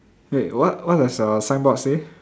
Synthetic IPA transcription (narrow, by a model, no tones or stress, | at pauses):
wewɔt̚wɔt̚ɛsəsãnbɔtse